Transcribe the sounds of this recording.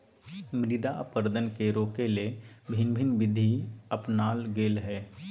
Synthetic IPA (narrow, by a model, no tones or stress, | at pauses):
mɾɪd̪a̰pəɾd̪ənkeɾoːkelebʱinbʱinbɪd̪ʱiəpnaːlɡeːlɦɛː